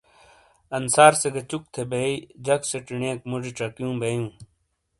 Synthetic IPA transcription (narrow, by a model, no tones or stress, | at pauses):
ɐnsaːɾseɡɐt͡ɕuk̚t̪ʰebeid͡ʑɐkseʈiɳẽːkmod͡ʑiʈ͡ʂɐkjũːbejũː